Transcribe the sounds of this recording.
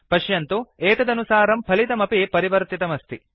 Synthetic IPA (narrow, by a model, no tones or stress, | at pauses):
pɐʃjɐnt̪ueːt̪ɐd̪ɐnusaːɾɐmpʰɐlit̪ɐmɐpipɐɾiʋɐɾt̪it̪ɐmɐst̪ʰi